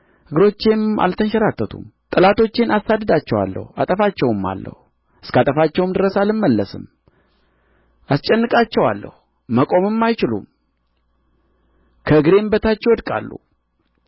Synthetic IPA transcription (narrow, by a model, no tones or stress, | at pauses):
hɨɡɾo̞t͡ʃːe̞ma̰lt̪ʰənʃəɾat̪ːət̪ʰṵmt̪ʼɨlat̪ʰo̞t͡ʃːe̞nasad̪əd̪at͡ʃːɛwa̰lːə̰ha̰t̪ʼəfat͡ʃːɛwɨmːa̰lːə̰hu | ɨskat̪ʼəfat͡ʃːɛwmd̪ɨɾəsalɨmːəlːəsɨ̰m | ʔast͡ʃʼɛnːɨkʼat͡ʃːɛwa̰lːə̰hu | məkʼo̞mɨmːajt͡ʃɪlṵm | kʰəɨɡɾe̞mbət̪at͡ʃːɛwɔd̪kʼa̰lːṵ